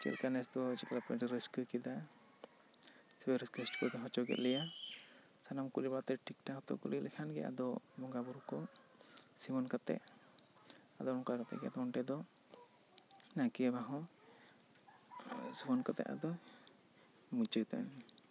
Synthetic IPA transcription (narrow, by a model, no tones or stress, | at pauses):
t͡ʃɛ̰t̪kanɛst̪ɔt͡ʃikalapɛʈɾiskəkid̪a | sɛbɛɾiskɛsʈkɔɡɛɦɔ̃t͡ʃɔɡɛ̰t̪lɛja | sanamkulibat̪ɛʈik̚ʈat̪ɔ̰ʔkulilʔɛkʰanɡɛ̰ʔa̰d̪ɔbɔŋɡabuɾkɔ | simɔnkat̪ɛ̰ʔ | ad̪ɔɾɔ̃kakat̪ɛ̰ɡɛa̰t̪ɔɔɳʈɛd̪ɔ | nakiabaɦɔ̃ | siɡɔnkat̪ɛ̰ʔa̰d̪ɔ | mut͡ʃət̪a̰n